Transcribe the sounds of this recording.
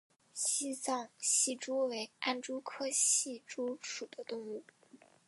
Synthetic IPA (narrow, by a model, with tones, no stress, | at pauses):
ɕi˥sɑ˥˩ŋɕi˥˩ʈ͡ʂu˥we˧˥ɪa̰˥˩nʈ͡ʂu˥kʰɤ˥ɕi˥˩ʈ͡ʂu˥ʂu˨˩d̪̥ə˦t̪ʊ˥˧ŋlu˥˩